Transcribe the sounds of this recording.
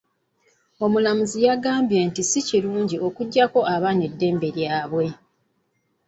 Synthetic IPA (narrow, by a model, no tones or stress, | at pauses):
o̞mulamuzijaɡaːmbje̞ːntisiciɾuːɲɟio̞kuɟːako̞ʔaβane̞dːe̞ːmbe̞ɾjaːβwe̞